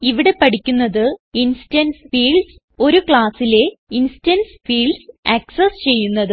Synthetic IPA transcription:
iʋiɽe̞pɐʈikʲːunːɐðɨinsidɐnsfiːɭs | o̞ɾukɭaːsile̞insitɐnsfiːɭsɐksɐst͡ɕe̞jːunːɐðɨ

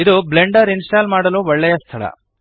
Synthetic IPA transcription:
id̪uble̞ɳɖɐɾinsʈaːlmaːɽɐluːʋɔɭːɛjɐst̪ʰɐɭɐ̰

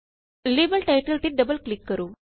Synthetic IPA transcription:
libəlʈajʈəlʈ̪iːt̚ɖəbəlklikːəɾuː

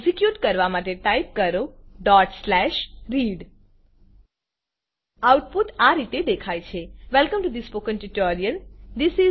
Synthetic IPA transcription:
sikjuʈkəɾʋamaʈeʈajp̚kəɾoɖɔʈslɛʃɾiɖ | awʈ̚puʈaɾit̪ed̪ekʰajt͡ʃʰeʋɛlkəmʈud̪ispokə̃nʈiʈoɾijənd̪isi

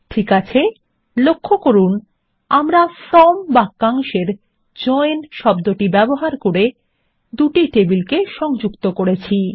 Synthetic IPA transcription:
ʈʰikat͡ɕʰe | lokʰːokoɾun | amɾafɾɔmbakːaŋʃeɾ | d͡ʑɔenʃɔb̚d̪oʈibɛboɦaɾkoɾe | d̪uʈiʈebilkeʃɔŋd͡ʑukt̪okoɾet͡ɕʰi

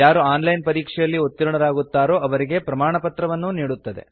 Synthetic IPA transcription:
jaːɾuaːnlɐjnpɐɾiːkʂɛjɐlːiot̪ːiɾuɳɐɾaːɡut̪ːaːɾo̞ːɐʋɐɾiɡe̞pɾɐmaːɳɐpɐt̪ɾɐʋɐnːuniːɽut̪ːɐd̪e̞̰

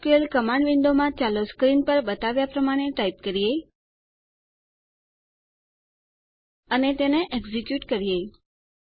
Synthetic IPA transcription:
kuelkəmãɳɖʋiɳd̪omãt͡ʃaloskɾinpəɾbət̪aʋjapɾəmaɽ̃eʈaip̚kəɾije | ənet̪eneʔɛɡzikjuʈkəɾijej

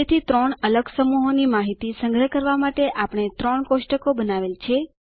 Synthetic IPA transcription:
et̪ʰit̪ɾəɳələɡsəmuɦonimaɦit̪isəŋɡɾəkəɾʋamaʈeʔapəɳ̃et̪ɾəɳkoʃʈəkobənaʋelt͡ʃʰe

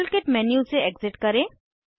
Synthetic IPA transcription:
lkeʈmɛːnjuseɛɡzɪʈkɐɾẽː

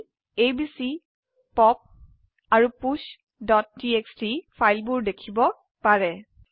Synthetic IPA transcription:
ejbisi | pɔp̚ | aɹupus | dɔt̚ːiekstipʰajlbʊɹdekʰibɔ | paɹɛ

